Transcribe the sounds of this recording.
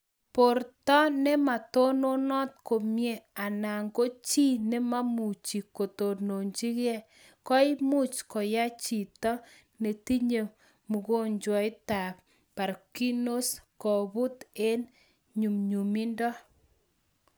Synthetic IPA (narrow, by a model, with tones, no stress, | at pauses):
po˨ɾtɔ˦nɛ˦ma˨to˦no˦nɔ˦t̚ko˨mje˦˨a˨na˨ŋɡo˦t͡ʃi˦ne˦ma˦mu˨t͡ʃi˨ko˨to˨no˨ɲd͡ʒi˦ɣɛ˦ | kɔ˦ɪ˦mu˦t͡ʃkɔ˨ja˦t͡ʃi˨tɔ˦ | ne˨ti˦ɲe˨ | mu˨ɣo˦ɲd͡ʒwɔ˨˦ɪ˦ta˨p | pa˨ɾki˦no˦skɔ˨bu˦te˦n | ɲu˨mɲu˨mi˦ndɔ˦